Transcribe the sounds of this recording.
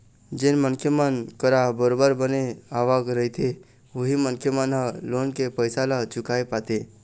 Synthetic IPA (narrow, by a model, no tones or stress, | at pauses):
d͡ʒenmənkʰjəmənkəɾabəɾobəɾbəneaʋakɾəit̪ʰe | oɦimənkʰjəmənɦəlonkepəjsalat͡ʃʊkaepat̪e